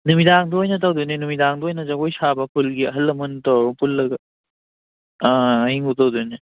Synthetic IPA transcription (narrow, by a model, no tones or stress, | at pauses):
numidaŋduojnɐt̬awduninumidaŋduojnɐzɐɡojsabɐkʰulɡiɐɦɐlːɐmɐntowɾupulːɐɡɐ | iŋutawduni